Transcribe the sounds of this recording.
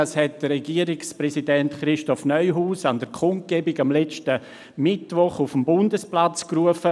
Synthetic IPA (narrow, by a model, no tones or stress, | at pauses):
ashɛt̚d̥ərɛɡiəɾɪksprɛsidɛntχɾɪʃtɔfnœʏɦuːsandəɾkʰʊnt̚ɡ̥ɛːbɪɡamlɛt͡ʃtə | mɪtvʋɔχufmbʊndəsplat͡skruəfə